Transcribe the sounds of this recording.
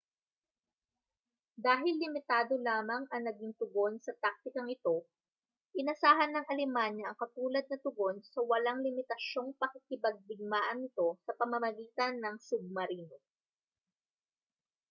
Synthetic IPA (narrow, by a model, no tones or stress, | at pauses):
d̪aːɦɪlːɪmɪt̪aːd̪o̞laːmɐŋʔɐŋnɐɡɪŋt̪ʊɡo̞nsɐt̪ak̚t̪ɪkɐŋɪt̪o̞ | ʔɪnɐsaːɦɐnːɐŋʔɐlɪmanːɐʔɐŋkɐt̪uːlɐd̪̚nɐt̪ʊɡo̞nsɐwɐlaŋlɪmɪt̪ɐʃo̞ŋpɐkɪkɪbɐɡ̚b̪ɪɡ̚maːʔɐnɪt̪o̞sɐpɐmɐmɐɡiːt̪ɐnːɐŋsʊɡ̚mɐɾiːno